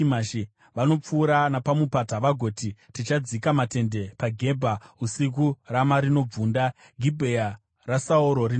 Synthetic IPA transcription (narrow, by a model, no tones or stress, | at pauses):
maʃi | ʋano̞p͡fuːɾanapamupataʋaɡʱo̞ːtitit͡ʃad͡zikamate̞nde̞paɡʱe̞bʱausik̬uramaɾino̞b͡vuːnda | ɡʱibʱeja | rasaoɾo̞ri